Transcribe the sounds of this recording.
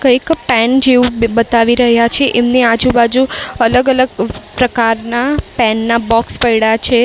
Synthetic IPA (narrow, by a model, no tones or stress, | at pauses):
kəjkpɛnd͡ʒeũbət̪aʋiɾəɦjat͡ʃʰeʔemnead͡ʒubad͡ʒuələɡələɡpɾəkaɾnapɛnːabɔkspəjɽat͡ʃʰe